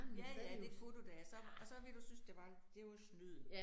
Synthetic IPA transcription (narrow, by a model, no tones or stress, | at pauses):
jæjæ̥e̝̥fo̝t͡sʰod̥æsɒ̽ɒ̽sɒ̽ʋe̝d̥usynsd̥e̝ʋɑ̈d̥e̝ʋaslyð̰ˠ